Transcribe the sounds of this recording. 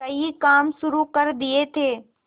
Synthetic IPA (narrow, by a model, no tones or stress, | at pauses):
kɐikaːmsʊɾukɐɾd̪ɪet̪ʰeː